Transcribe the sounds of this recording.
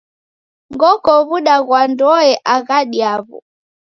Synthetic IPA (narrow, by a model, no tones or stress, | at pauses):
ŋɡɔkɔβuɗaɣwandɔɛʔaɣaɗiaβɔ̰